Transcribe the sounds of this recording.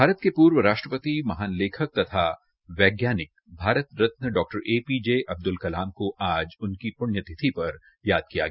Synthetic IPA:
bʱaːɾət̪kepuːɾʋəɾaːʃʈɾəpət̪imɐɦaːnleːkʰək̚t̪ɐt̪ʰa | ʋɛːɡjaːnɪk̚ | bʱaːɾət̪ɾɐt̪̚nəɖɔːk̚ʈəɾʔeːpiːd͡ʒeʔɐb̚d̪ʊlkɐlaːmkoʔaːd͡ʒʊnkipʊɳjət̪ʰɪt̪ʰipɐɾ | jaːd̪̚kija̰ɡɐa

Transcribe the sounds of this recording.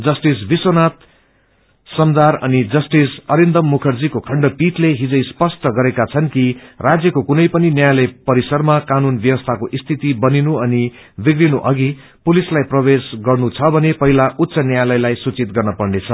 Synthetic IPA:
d͡zʌsʈisbisonat̪ | sʌmd̪arʌnid͡zʌsʈisʌɾind̪ʌmːukʰʌrd͡zikokʰʌɳɖʌpiʈleɦid͡zʌjspʌsʈʌɡʌɾekat͡sʰʌnkirad͡zjʌkokunʌjpʌninjajalʌjpʌɾisʌrmakanunbjʌwʌst̪ʰakoʔist̪ʰit̪ibʌninuʌni | bikrinuʔʌɡi | pulislajprʌbesɡʌrnut͡sʰʌbʱʌnepʌɦilaʔut̪ːsʌnjajlʌjlajsut͡sit̪̚ɡʌrnʌpʌrnet͡sʰʌ

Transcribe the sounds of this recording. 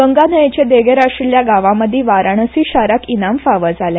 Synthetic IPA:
ɡəŋɡanəjet͡ɕed̪eɡeɾaʂɾljaɡaʋãməd̪ʱːiːʋaɾaɳəsiɕaɾakinamfaʋəd͡zʱale

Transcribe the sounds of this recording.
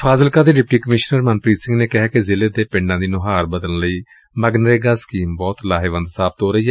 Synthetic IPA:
pʰaːzəlkaːd̪eːɖɪp̚ʈːiːkəmɪʃnəɾmənpɾiːt̪sɪ̃ŋɡneːkɪɦɛːkezɪleːd̪eːpɪ̃ɳɖãːd̪iːnʊɦaːɾbəd̪əlnləiː | məɡnəɾeːɡaːsə̥kiːmbɔːt̪laːɦeːʋə̃nd̪saːbət̪ɦoːɾəiːɛː

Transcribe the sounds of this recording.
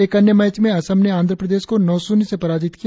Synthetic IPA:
eːkɐnjəmɛːt͡ʃmẽɐsəmneãːnd̪ʱɾəpɾəd̪eːʃkonɔːsũːnisepɐɾaːd͡ʒɪt̪ki

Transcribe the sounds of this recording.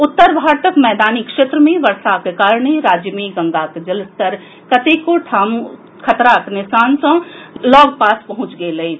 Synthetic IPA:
ʊt̪ːəɾbʱaːɾt̪əkmɛːd̪aːnikʃeːt̪ɾəmẽʋɐɾsakekaːɾɳeɾaːd͡ʒjəmẽɡɐ̃ŋɡaːked͡ʒɐlst̪əɾ | kɐt̪eːkoʈʰaːm | kʰɐt̪ɾaknɪsaːnsɐ̃lɔːɡpaːspɐɦʊ̃t͡ʃɡeːlɐeː

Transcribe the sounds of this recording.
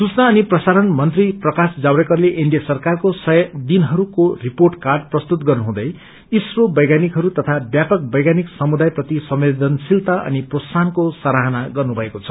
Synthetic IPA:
sut͡snaːniprʌsaɾʌnmʌnt̪riprʌkasd͡zawɾekʌrleʔiɳɖijasʌrkarkosʌjʌd̪inɦʌɾukoriporʈkarɖprʌst̪ut̪̚ɡʌrnuɦũd̪ʌj | isrobʌjɡanikɦʌɾut̪ʌt̪ʰabjapʌk̚bʌjɡaniksʌmud̪ajprʌt̪isʌmed̪ʌnsilt̪aʔʌ̰niprossankosaɾaɦʌnaɡʌrnubʱʌekot͡sʰʌ̥

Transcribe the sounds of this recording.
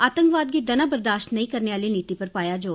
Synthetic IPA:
aːt̪ə̃ŋkʋaːd̪ɡid̪ənaːbəɾd̪aːʃʈnəĩːkəɾneːaːliːniːt̪iːpəɾpaːjaːd͡ʒoː

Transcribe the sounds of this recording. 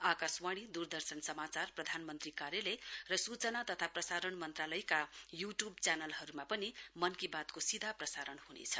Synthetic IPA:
akaswaɽ̃id̪urd̪ʌrsʌnsʌmat͡sarprʌd̪ʱanmʌnt̪rikaɾjʌlʌjrʌsut͡sʌnat̪ʌt̪ʰaprʌsaɾʌɳmʌnt̪ralʌjkajuʈjub̚t͡sanʌlɦʌɾumapʌnimʌnkibat̪kosid̪ʱaprʌsaɾʌnhunḛt͡sʰʌ

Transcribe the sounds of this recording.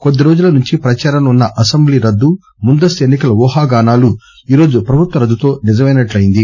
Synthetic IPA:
kod̪ːiɾo̞ːd͡ʒulɐnuɲt͡ʃipɾɐt͡ʃaːɾɐnunːɐʔɐsembliːɾɐd̪ːu | mund̪ɐst̪ue̞nːikɐlɐʋɔːɦaːɡaːnaːlu | iːɾo̞ːd͡ʒupɾɐbʱut̪ʋɐɾɐd̪ːut̪o̞ːnid͡ʒɐmɐjnɐʈlɐjind̪i

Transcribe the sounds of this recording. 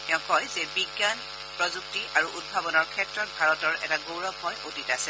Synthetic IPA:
tɛʊ̃kɔjzɛbiɡjan | pɹɔzuktiʔaɹuʔud̚bʱabɔnɔɹkʰɛtɹɔt̚bʱaɹɔtɔɹɛ̰taɡowɹɔbɔjʔotitasɛ

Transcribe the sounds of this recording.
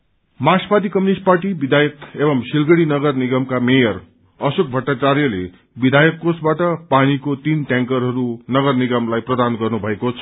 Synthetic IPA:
maspad̪ikʌminisʈ̚parʈibid̪ʱajʌk̪ebʌmsilɡʌɽinʌɡʌrniɡʌmkamejʌr | ʌsok̚bʱʌʈːat͡sarjʌle | bid̪ʱajʌkːosbaʈʌpanikot̪inʈjãŋkʌrɦʌɾunʌɡʌrniɡʌmlajprʌd̪anɡʌrnubʱʌekot͡sʰʌ̥

